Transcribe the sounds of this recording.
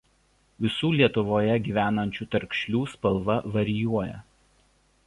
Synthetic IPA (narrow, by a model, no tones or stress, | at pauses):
ʋʲɪsuːlʲiɛt̪ʊʋoːjɛɡʲiːʋʲæːnɐnʲt͡ʃʲuːt̪ɐɾʲkʃʲlʲuːspɐlˠʋɐʋɐɾʲɪjuɔjɛ̰